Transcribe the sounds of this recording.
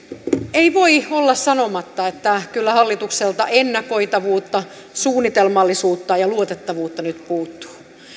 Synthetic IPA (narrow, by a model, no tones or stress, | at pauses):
eiʋoiolːɑssɑnomɑt̪ːɑet̪ːækylːæhɑlːit̪ukselt̪ɑ̰ʔenːɑkoit̪ɑʋuːt̪ːɑ | suːnːit̪elmɑlːisuːt̪ːɑjɑluot̪et̪ːɑʋuːt̪ːɑnyt̪puːt̪ːu̥ː